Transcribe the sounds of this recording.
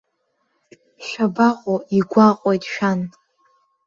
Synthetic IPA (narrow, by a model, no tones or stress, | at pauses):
ʃᶣabaqʼoiɡʷaqʼojtʼʃᶣan